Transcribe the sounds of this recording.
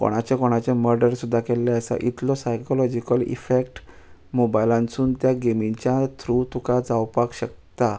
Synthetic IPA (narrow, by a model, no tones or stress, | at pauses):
ko̰ɽ̃at͡ɕakoɽ̃at͡ɕẽməɾɖəɾsud̪ʱːakɛlːɛəsa̰ʔit̪lɔsajkɔlɔd͡ʑikəlḭfekʈ | mobajlãnt͡suːnt̪jaɡemiɲt͡ɕjat̪ʰɾut̪ʰukad͡zawpakɕək̚t̪a